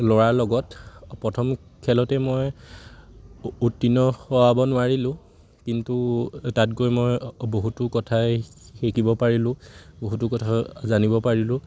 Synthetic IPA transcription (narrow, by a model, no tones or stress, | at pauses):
lɔɹaɹlɔɡɔtpɹɔtʰɔmkʰɛlɔtɛmɔj | utːinɔxɔwabɔnʊaɹilʊ̃ | kintutat̚kojmɔjboɦutʊkɔtʰaxekibɔpaɹilʊ̃boɦutʊkɔtʰazanibɔpaɹilʊ̃